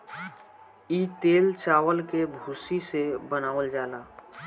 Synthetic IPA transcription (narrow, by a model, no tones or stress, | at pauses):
iːt̪eːlt͡ʃaːwəlkebʱuːsisebənaːʋəld͡ʒaːlaː